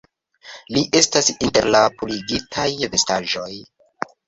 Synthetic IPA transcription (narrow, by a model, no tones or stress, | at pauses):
liʔe̞stasinte̞ɾlapuliɡitʰajve̞staʒo̞j